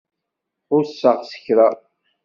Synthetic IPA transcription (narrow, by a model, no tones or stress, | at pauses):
ʊɾsːəʁsə̥çɾa